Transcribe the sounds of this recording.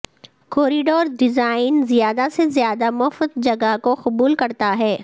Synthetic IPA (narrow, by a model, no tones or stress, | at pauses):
koːɾiɖoːɾɖɪzaːɪnzijaːd̪asezjaːd̪amʊfət̪̚d͡ʒɐɡakoqʊbuːlkɐɾt̪aɦɛː